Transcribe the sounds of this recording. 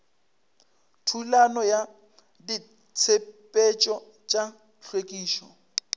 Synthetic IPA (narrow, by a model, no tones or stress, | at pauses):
tʰulanɔja | di | t͡sʰepʼet͡ʃʼɔ | t͡ʃʼa | ɬwekʼiːʃɔ